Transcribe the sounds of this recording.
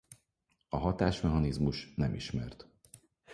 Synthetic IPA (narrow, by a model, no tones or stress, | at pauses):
ɒɦɒt̪aːʃmɛɦɒnizmuʃnɛmiʃmɛrt̪